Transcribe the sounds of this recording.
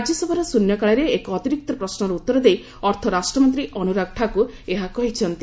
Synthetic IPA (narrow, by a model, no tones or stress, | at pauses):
ad͡ʒjɔsɔbʱɔɾɔsunjɔkaɭaɾeːkɔɔt̪iɾik̚t̪ɔpɾɔsnɔɾɔut̪ːɔɾɔd̪ej | ɔɾt̪ʰɔɾasʈɾɔmɔnt̪ɾiʔɔnuɾakʈʰaku | eɦakɔɦit͡ʃʰɔnt̪i